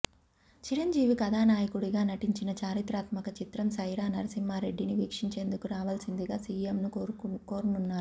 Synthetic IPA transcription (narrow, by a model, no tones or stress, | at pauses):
t͡ʃiɾɐɲd͡ʒiːʋikɐd̪ʱaːnaːjɐkuɽiɡaːnɐʈiɲt͡ʃinɐt͡ʃaːɾit̪ɾaːt̪mɐkɐt͡ʃit̪ɾɐmsɐjɾaːnɐɾɐsimːaːɾe̞ɖːiniʋiːkʂiɲt͡ʃe̞ːnd̪ukuɾaːʋaːlsind̪iɡaːsiːemnukoːɾununːaːɾu